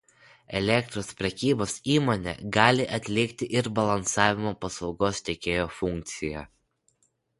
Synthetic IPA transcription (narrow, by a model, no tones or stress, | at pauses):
ɛlʲɛk̚t̪ɾoːspʲɾʲɛkʲiːboːsiːmoːnʲɛ̰ɡɑːlʲɪʔɐt̪ʲlʲɪkt̪ʲɪʔɪɾbɐlˠɐnsɑːʋʲɪmoːpɐslˠɒʊɡoːst̪ʲɛːkʲeːjoːfʊŋʲk̚ʲt̪sʲɪjɛ